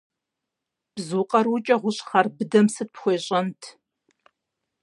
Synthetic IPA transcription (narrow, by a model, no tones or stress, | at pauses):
b̥zuqʼɐrwʊt͡ʃʼɐʁʷʊɕʼχɐrbɨdɐmsɨt̚pxʷeːɕʼɐntʰ